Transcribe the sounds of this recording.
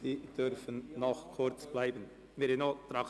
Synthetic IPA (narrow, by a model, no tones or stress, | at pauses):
iːd̥øɾfənːɔχkʰʊɾt͡sb̥laɪbən | mɪɾenoːtɾɑ